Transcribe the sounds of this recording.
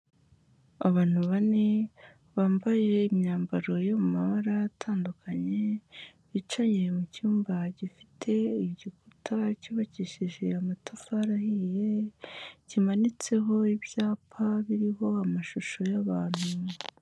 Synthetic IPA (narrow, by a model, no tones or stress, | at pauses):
aβaːn̥huβane | βaːmbaje̞imɲaːmbaɾo̞jo̞mumaβaɾatʰaːndukaɲe̞βit͡ʃajemucuːmbaɟifitʰe̞iɟikutʰacoβaciʃiʒe̞amatafaɾahije̞ | ɟimanit͡se̞ɦo̞ibjaːpʰaβiɾiɦo̞amaʃuʃo̞jaβaːn̥hu